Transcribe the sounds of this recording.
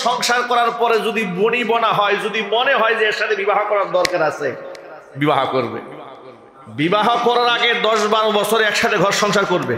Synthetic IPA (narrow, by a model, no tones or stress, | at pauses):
ʃɔŋʃaɾkɔɾaɾpɔɾed͡ʑod̪iboɽ̃ibɔnaɦɔed͡ʑod̪imoneɦɔed͡ʑeeɾʃat̪ʰebibaɦokɔɾaɾd̪ɔɾkaɾasʰe | bibaɦokoɾbḛ | bibaɦopɔɾoɾaɡed̪ɔʃbaɾobɔt͡ɕʰoɾeɛkʃat̪ʰeɡʱɔɾʃɔŋʃaɾkoɾbe